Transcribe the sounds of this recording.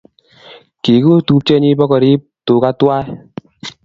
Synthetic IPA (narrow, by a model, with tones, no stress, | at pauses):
ki˨ku˦tu˦t͡ʃɛ˦ni˦bɔ˦kɔ˨ɾi˦ | to˨ka˦twa˦